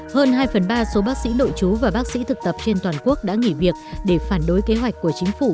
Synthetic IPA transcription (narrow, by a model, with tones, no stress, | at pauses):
həː˧nɦaː˧jfə˨˩nɓaː˧so˨˦ɓaː˦˥k̚sḭ˧˥no̰˧˨jt͡ɕu˨˦vaː˨˩ɓaː˦˥k̚sḭ˧˥t̪ʰɨ˨˩k̚t̪ə˨˩p̚t͡ɕe˧nt̪waː˨˩nku˦˥ək̚ɗa̰ː˧˥ŋi˧˩vi˨˩ək̚ɗe˧˩faː˧˩nɗo˨˦jke˨˦ɦwa˨˩jk̟kːu˧˩ət͡ɕï˨˦ŋ̟fu˧˩